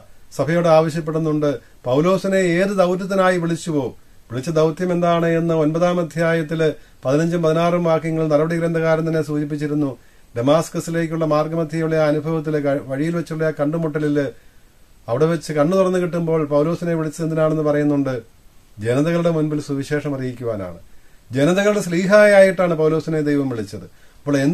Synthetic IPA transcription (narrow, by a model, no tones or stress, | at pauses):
sɐbʱɐjoːɽaːʋɐɕjɐp̬ːe̞ɽːunːuɳɖɨ | pɐwlo̞ːsine̞eːðɨd̪ɐwt̪ːɐt̪̬ːinaːjiʋiɭit͡ɕːupo̞ː | ʋiɭit͡ɕːɐd̪ɐwt̪jɐme̞nd̪aːɳɨe̞nːɨo̞nbɐðaːmɐd̪ʱjaːjɐt̪ːilpɐðinɐɲd͡ʑɐmpɐðinaːrɨmʋaːrkːɐŋːɐɭiɭnɐɾɐbɐɽikɾend̪ɐɣaːɾɐmt̪ɐnːe̞suːd͡ʑip̬ːit͡ɕːiɾunːu | ɖ̪emaːskɐsile̞ːk̬ʲːuɭːɐmaːrɡɐmɐd̪ʱjɐjuɭːɐjaːɐnubʱɐʋɐt̪̬ːilʋɐɻijilʋet͡ɕːiuɭːɐjaːkɐɳɖɨmoʈːɐlil | ɐʋiɽe̞ʋet͡ɕːɨkɐɳːɨt̪urɐnːuɣiʈːumbo̞ːɭpɐwlo̞ːsine̞ʋiɭit͡ɕːend̪inaːɳenːɨpɐrɐjunːuɳɖɨ | d͡ʑe̞nɐðɐɣɐɭuɽe̞munbilsuʋiɕe̞ːʂɐmɐrijikʲːuʋa̰ːna̰ːɳɨd͡ʑe̞nɐðɐɣɐɭuɽesliːɦaːjaːjiʈːaːɳɨpɐwlo̞ːsined̪ejʋɐmʋiɭit͡ɕːɐðɨɐpːoːɭen